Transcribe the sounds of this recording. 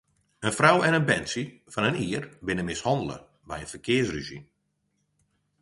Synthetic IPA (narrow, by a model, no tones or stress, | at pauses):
ənfrawɛnənbɛnsi | fɑnəniːərbɪnəmɪshɑndələ̰ | bɛjənfərkʰɪəsriʒḭn